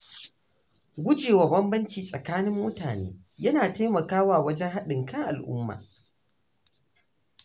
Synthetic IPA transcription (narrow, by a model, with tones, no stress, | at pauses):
ɡʷʊ˦d͡ʒeː˨wa˨bɐ˦mbɐ˦nt͡ʃiː˨sʼɐ˨kaː˦nɪ˦mːʊ˦taː˨nḛː˦ | jɐ˦naː˨taː˦mɐ˨kaː˦waː˦˨wɐ˦d͡ʒɛ˦ŋɦa˦ɗɪ˨ŋkɐ˦ŋʔa̰˨lʔʊ̰˦mːa̰ː˨